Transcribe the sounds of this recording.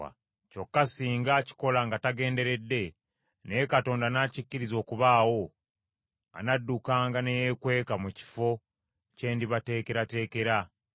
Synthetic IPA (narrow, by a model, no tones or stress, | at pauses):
a̰ | co̞kːasiːŋɡaci̥ko̞laŋɡataɡe̞ːnde̞ɾe̞dːe̞ | nejekato̞ːndanaːcicːiɾizo̞ːkuβaːwo̞ | a̰nadːukaːŋɡanejekwe̞ːkamuci̥fo̞ | ce̞ːndiβate̞ːke̞ɾate̞ːke̞ɾa